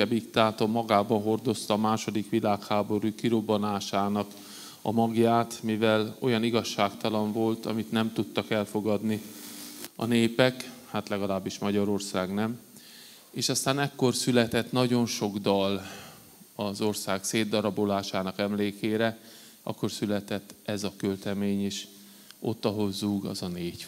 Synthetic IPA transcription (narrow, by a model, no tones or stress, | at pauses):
ɛbikt̪aːt̪o̞mmːɒɡaːbɒnɦo̞rd̪o̞st̪ɒːmaːʃo̞d̪ikʋilaːkhaːbo̞ɾukiɾo̞bonaːʃaːnɒk | ɒmɒɡjaːt̪mivɛlo̞jɒniɡɒʃːaːkt̪ɒlɒɱvo̞lt̪ɒ̰mit̪nɛmt̪ut̪ːɒkɛlfo̞ɡɒd̪ni | ɒ̰neːpɛkhaːt̪lɛɡɒlaːbːiʃmɒɟɒɾo̞rsaːɡnɛm | eːʃɒst̪aːnɛkːo̞rsylɛt̪ɛt̪nɒɟo̞nʃo̞ɡd̪ɒl | ɒzo̞rsaːkseːd̪ːɒɾɒbo̞laːʃaːnɒkɛmleːkeːɾɛ | ɒ̰kːo̞rsylɛt̪ɛt̪ːɛzɒkølt̪ɛmeːɲiʃ | ʔo̞t̪ːɒɦo̞lzuːɡɒ̰zɒneːc